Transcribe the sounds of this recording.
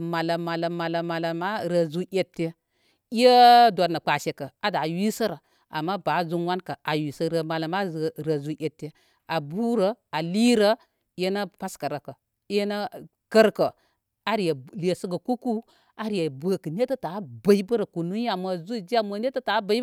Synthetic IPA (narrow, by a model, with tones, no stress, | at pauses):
ma˨la˨ma˨la˨ma˨la˨ma˨la˨ma˦ɾə˨zu˦ʔʲe˨tːe˦ | i˦jə˦do˨nə˨k͡pa˨ʃe˨kə˨a˨da˨wi˦sə˦ɾə˨ | a̰˨mːa˦ba˨˦zu˦nwa˦nkə˨a˨wi˨sə˦ɾə˨ma˨la˨ma˦˨˦ɾə˨zu˦ʔʲe˨tːe˨ | a˨bu˦ɾə˨a˨li˦ɾə˦ | e˦na˦pa˦skə˨ɾə˨kə˨˦ | e˦na˦ | kə˦ɾkə˨ | a˨ɾi˨jə˨le˨sə˦ɡə˨ku˦ku˦ | a˦ɾi˨ja˨bə˦kə˨n˦e˦tə˦ta˨˦bə˨i˦bə˦ɾə˨ku˨nu˦a˨mə˨zu˦˨d͡ʒi˦a˦mə˨ne˦tə˦ta˨˦bə˨˦i˦